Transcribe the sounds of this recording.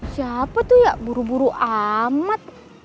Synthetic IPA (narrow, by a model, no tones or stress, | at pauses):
siapat̪uhjabuɾubuɾuʔamat̪̚